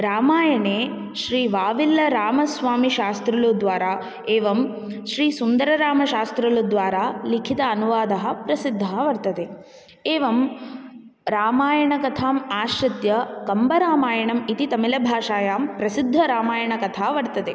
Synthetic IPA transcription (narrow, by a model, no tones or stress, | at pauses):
ɾaːmaːjɐɳeː | ʃɾiːʋaːʋilːɐɾaːmɐsʋaːmiʃaːst̪ɾɐlud̪ʋaːɾaː | eːʋɐm | ʃɾiːsund̪ɐɾɐɾaːmɐʃaːst̪ɾɐlud̪ʋaːɾaːlikʰit̪ɐːnuʋaːd̪ɐɦɐ̆pɾɐsid̪ʱːɐɦːɐʋɐɾt̪ɐt̪e | eːʋɐm | ɾaːmaːjɐɳɐkɐt̪ʰaːmaːʃɾɐt̪jɐkɐmbɐɾaːmaːjɐɳɐmit̪it̪ɐmilɐbʱaːʃaːjaːmpɾɐsid̪ʱːɐɾaːmaːjɐɳɐkɐt̪ʰaːʋɐɾt̪ɐt̪eː